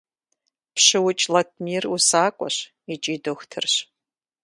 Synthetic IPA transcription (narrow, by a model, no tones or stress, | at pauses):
pɕɨwʊt͡ʃʼlat̚ʰmiːrusaːkʷʼɔ̰ɕ | it͡ʃʼidoxʷtʰɨrɕ